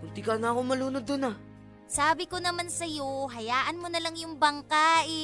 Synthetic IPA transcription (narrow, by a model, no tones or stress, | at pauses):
kʊnt̪ikanaɐkomɐluːnod̪ʊna | saːbɪko̞nɐmansɐjo̞ɦɐjaːʔɐnmonɐlaŋjʊŋbɐŋkaːʔɪ